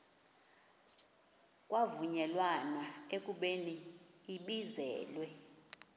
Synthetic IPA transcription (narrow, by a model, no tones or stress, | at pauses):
kʼwavuɲɛlwanwaekʼuɓeniːɓizɛ̰ːlwɛ